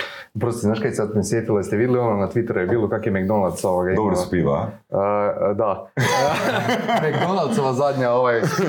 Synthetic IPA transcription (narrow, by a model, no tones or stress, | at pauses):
pɾost̪iznaːʃkajseat̪nsjet̪ilˠaist̪eʋid̪eliononat̪ʋit̪eɾujbiːlˠokakojemeɡd̪onat̪soʋoɡaid̪obɾospiːla̰ | əd̪a | meɡd̪onalt̪soʋazad̪ʲɲaoʋaj